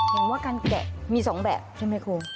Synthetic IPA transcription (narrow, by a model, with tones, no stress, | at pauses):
pʰaː˩˦mwaː˥˩kaː˧nkɛ̰˨˩miː˧sɔː˩˦ŋbɛ̰ː˨˩p̚t͡ɕʰa˥˩ma˧˥˩jkʰuː˧